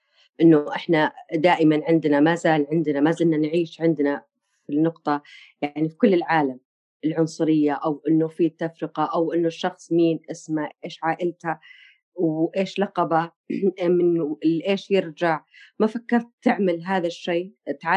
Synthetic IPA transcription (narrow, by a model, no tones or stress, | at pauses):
ʔɪnːʊʔɪħnad̪aːʔɪmanʕɪnd̪namazaːlʕɪnd̪namazɪlnanʕiːʃʕɪnd̪na | finːʊqt̪ˤɑjaʕnifi̥kʊlːɪlʕaːlam | ɪlʕʊnsˤʊɾɪjːaʔawʔɪnːʊfiːt̪ːafɾɪqɑʔawʔɪnːʊʃːɑxsˤmiːnʔɪsmaʔeːʃʕaːʔɪlt̪ha | wʔeːʃlɑqɑba | mɪnɪʔeːʃjɪɾd͡ʒaʕmafakːɑɾˤt̪ːɪʕmalɦaːðaʃːeːt̪ʕa